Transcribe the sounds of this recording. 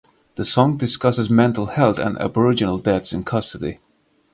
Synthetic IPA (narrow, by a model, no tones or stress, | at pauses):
ðəsɔ̃ŋdɨskʌsɨzmɛ̃ntˡl̩ˠhɛlˠθɨ̰̃næ̰bə˞ɪd͡ʒɨnl̩ˠdɛθsɨ̃nkʰʌstədḭ